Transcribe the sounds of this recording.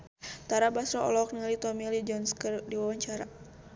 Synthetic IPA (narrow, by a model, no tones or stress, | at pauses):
t̪aɾabasɾɔɔ̰lɔk̚nilit̪ɔmilid͡ʒɔnskərdiwawaɲt͡ʃaɾa